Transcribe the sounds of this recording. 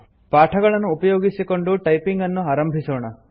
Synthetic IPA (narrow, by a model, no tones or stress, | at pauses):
paːʈʰɐɡɐɭɐnːuːpɐjoːɡisikoɳɖuʈɐjpiŋɡɐnːuaːɾɐmbʱisoːɳɐ